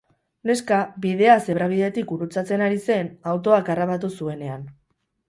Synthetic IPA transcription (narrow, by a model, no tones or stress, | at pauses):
ne̞skabið̞e̞ase̞βɾaβ̞iðe̞t̪ikuɾut͡sat͡se̞naɾise̞nawt̪o̞akaraβat̪̬usue̞ne̞an